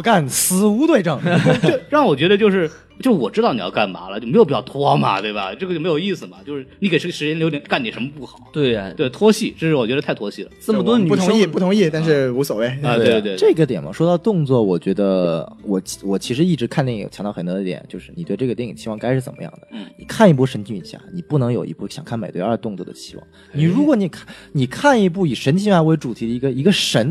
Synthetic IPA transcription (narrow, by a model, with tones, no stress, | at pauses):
ka˥˩nsɹ̩˧˥u˧˥t̪we˥˧ɪʈ͡ʂɤ˥˩ŋ˥˩ɻwɔ˨˩t͡ɕɥɛ˧˥d̪ə˧t͡ɕjo˥˧ʊʂɻ̩˥˩ | t͡ɕjo˥˧ʊʂɻ̩˥˩wɔ˨˩ʈ͡ʂɻ̩˥ɑ˥˩ʊni˨˩jɑ̰˥˧ka˥˩nma̰˧˥lə˧t͡ɕjme˥jʊpi˨˩jɑ˥˩˧t̪ʰwɔ˥mɐ̰˨˩t̪we˥˩ɪbɐ̰˩t͡ɕɤ˥˩˧ə˧t͡ɕo˥˩me˧˥jo˨˩ʊi˥˩sɹ̩˩mɐ˩t͡ɕjo˥˧ʊʂɻ̩˥˩ni˧˥ke˨˩ɪʂʂɻ̩˧˥t͡ɕjɛ˥nljo˧˥ʊt̪ʲɛ˧˩nka˥˩ni˨˩ʂə˧˥mə˧pu˥˩xɑ˨˩˦ʊt̪we˥˩ɪt̪we˥˩ɪt̪ʰwɔ˥ɕi˥˩ʈ͡ʂɤ˥˧ʂɻ̩˥˩wɔ˨˩t͡ɕɥɛ˧˥d̪tʰa˥˩ɪt̪ʰwɔ˥ɕi˥˩lə̰˩ʈ͡ʂ̩˥˩˥mə˩wɔ˥ə˧ny˥˩tʰʊ˧˥ŋi˥˩pu˥˩t̪ʰʊ˧˥ŋi˥˩t̪a˥˧nʂ̬ɻ̩˥˩u˧˥swo˨˩we˥˩ɪ˧t̪e˥˧wwe˥˧ʈ͡ʂɤ˥˩ɡə˩t̪jɛ˨˩nmɐ̰˩ʂwɔ˥t̪ɑ˥˧ʊt̪ʊ˥˧ŋt͡swɔ˥˩wɔ˨˩t͡ɕɥɛ˧˥d̪ə˧wɔ˨˩t͡ɕwɔ˨˩t͡ɕʰi˧˥ʂ̬ɻ̩˧˥i˥˩ʈ͡ʂɻ̩˧˥kʰa˥˧nt̪jɛ˥˩ḭ˨˩ŋt͡ɕʰɑ˧˥ŋt̪ɑ˥˩xə˧˩nt̪ɔ˧˥d̪ə˧t̪jɛ̰˨˩nt͡ɕjo˥˧ʊʂɻ̩˥˩ni˨˩t̪we˥˧ɪʈ͡ʂɤ˥˩ɡə˩jɛ˥˩ŋi˨˩ŋt͡ɕʰi˥wɑ˥˩ŋka˥ɪʂɻ̩˥˩t͡sə̰˨˩mə̰˦jɑ̰˥˩ŋd̪ə˩˥˩nḭ˨˩kʰa˥˧ni˧p̬u˥˩ʂə˧˥nt͡ɕʰi˥˩ḭ˨˩ɕja̰˥˩ni˨˩pu˥˩nɤ˧˥ŋjo˨˩ʊʔḭ˧˥pu˥˩ɕjɑ̰˨˩ŋkʰa˥˩nme˨˩ɪt̪we˥˧ɐ˞˥˧t̪ʊ˥˧ŋt͡swɔ˥˩də̰˩t͡ɕʰi̥˥wɑ̰˥˩ŋ | ni˨˩ɻu˧˥kwɔ˧˥ni˨˩kʰni˨˩kʰa˥˩ni˧p̬u˥˩i˨˩ʂə˧˥nt͡ɕʰi˥˧a˥˩ɪwe˧˥ɪʈ͡ʂu˨˩t̪ʰi˧˥d̪ə˧i˧˥ɡə˧i˧˥ɡə˧ʂə˧˥n